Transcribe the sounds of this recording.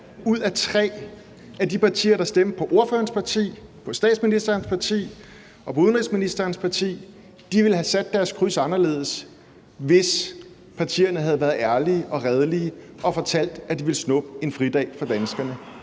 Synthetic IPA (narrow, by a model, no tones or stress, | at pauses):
uð̞̰ˠæt͡sʰʁɛ̰ː | æd̥ipɑ̈t͡sʰḭːɐɾ̥ɑ̈sd̥em̰d̥̚pʰɒ̽ʔo̝ɐfø̰ːɐnspʰɑ̈t͡sʰḭːpʰɒ̽sd̥ɛ̰ːd̥sminisd̥ɐːnspʰɑ̈t͡sʰḭː | ʔɒ̽pʰɒ̽uðˠnʁelsminisd̥ɐːnspʰɑ̈t͡sʰḭː | d̥iʋe̝lɦæsæd̥ːæɐskʰʁysɑ̈nɐle̝̰ːð̞ˠəs | ʋe̝s | pʰɑ̈t͡sʰḭːɐnəɦæð̞ˠʋæːɐðˠæɐliːʔɒ̽ʁɛð̞ˠəliːə | ʔɒ̽fɒ̽t͡sʰæl̰d̥æd̥iʋe̝lsnɔ̽b̥̚əe̝nfʁid̥ɛ̰ːfɒ̽d̥ænsɡ̥ɐnə